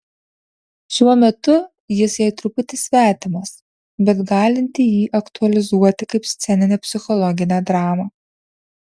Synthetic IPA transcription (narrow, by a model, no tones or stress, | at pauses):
ʃʲuɔmʲɛt̪ʊ | jɪsjɛɪt̪ɾʊpʊt̪ʲɪsʲʋʲæːt̪ʲɪmɐs | bʲɛt̪ɡɑːlʲɪnʲt̪ʲɪjiːʔɐkt̪ʊɐlʲɪzuɔt̪ʲɪkɐɪpsʲt̪sʲɛnʲɪnʲeːpʲsʲɪxɔlˠɔɡʲɪnʲeːd̪ɾɑːmɐː